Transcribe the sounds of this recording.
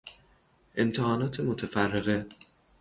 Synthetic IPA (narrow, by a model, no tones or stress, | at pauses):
ʔe̞mt̪ʰehɒːnɒːt̪ʰemot̪ʰefærːe̞ɣe